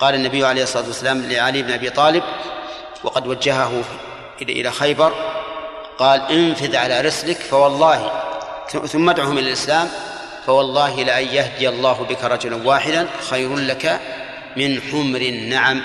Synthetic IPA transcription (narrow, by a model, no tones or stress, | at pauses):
qɑːlanːabɪjːʊʕalejhsˤːɑˤɑːt̪wasːalaːmlɪʕaliːbnʔabiːt̪ˤɑːlɪb̚ | wɑqɑd̪wad͡ʒːaɦaɦʊ | ʔʔɪ̰laxajbɑɾˤ | qɑːlʔɪnfɪðʕalaːɾˤʊslɪkfawɑlˤːɑːhḭ | θʊmːad̪ʕuːhʊmʔɪlalʔɪslaːm | fawɑlˤːɑːɦɪlɪʔajjahd̪ɪjɑlˤːɑːɦʊbɪkaɾˤɑd͡ʒʊlanwaːħɪd̪anxajɾʊnlaka | mɪnħʊmɾɪnːaʕam